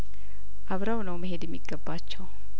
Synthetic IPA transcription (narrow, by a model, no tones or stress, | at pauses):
ʔaβɾawnəwməɦe̞d̪jɛmːiɡːəbːat͡ʃːɛw